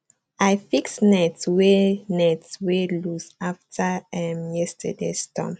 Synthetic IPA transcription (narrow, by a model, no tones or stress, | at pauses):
aɪfiksnɛtswenɛtswelusaftʰəɛmjɛstʰə̰dḛstɔ̰m